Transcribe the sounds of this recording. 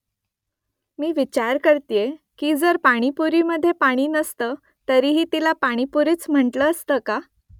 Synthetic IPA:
miːʋit͡ɕaɾkəɾt̪ijekiːd͡zəɾpaɽ̃ipuɾiːməd̪ʱːjepaɽ̃iːnəst̪ə | t̪əɾiɦiːt̪ilapaɽ̃ipuɾiːt͡sm̤əɳʈləːst̪əka

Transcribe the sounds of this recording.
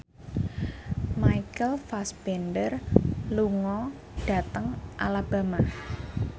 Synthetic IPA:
majikəlfasb̥ɛndərluŋɔ | ɖ̥ä̤t̪əŋʔa̰lab̥a̤ma

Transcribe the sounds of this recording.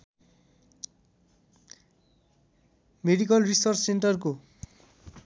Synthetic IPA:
meɖikʌlrisʌrsseɳʈʌrko

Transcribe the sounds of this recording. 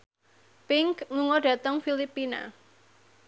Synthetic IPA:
pɪŋkluŋɔɖ̥ä̤t̪əŋfilipina̰

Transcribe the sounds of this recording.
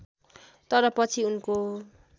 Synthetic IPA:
t̪ʌɾʌpʌt͡sʰiunko

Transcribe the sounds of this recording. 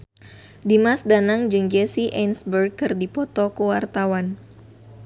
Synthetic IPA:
dimasdanaŋd͡ʒɨŋd͡ʒɛsiʔɛnsbər̚kɨrdipɔt̪ɔkəwart̪awan

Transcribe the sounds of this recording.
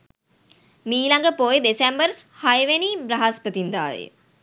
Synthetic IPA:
miːlaŋɡəpojd̪esɛmbər | hajəʋeniːbrɐɦaspət̪ind̪a̰ːlə̰jə̰

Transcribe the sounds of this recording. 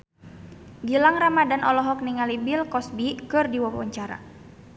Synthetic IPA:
ɡilaŋramadanʔɔlɔɦɔk̚niŋalibilkɔsbikɨrdiwabawə̰ɲt͡ʃaɾa̰

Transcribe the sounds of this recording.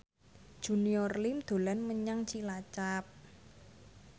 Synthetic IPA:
d̥ʒ̥ṳniɔrlimd̪̥o̤lanməɲaŋt͡ʃilat͡ʃap̚

